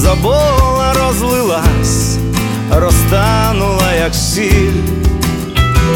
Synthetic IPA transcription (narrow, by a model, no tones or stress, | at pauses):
zɐbɔɦlˠɐɾɔzlˠɪlˠasʲ | rɔst̪anulˠɐjɐksilʲ